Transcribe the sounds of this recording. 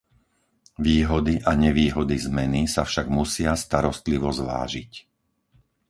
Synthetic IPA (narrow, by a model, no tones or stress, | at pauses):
ʋiːɦɔd̪iʔaɲɛʋiːɦɔd̪izmɛnisafʃaɡmusɪast̪aɾɔst̪liʋɔzʋa̰ːʒic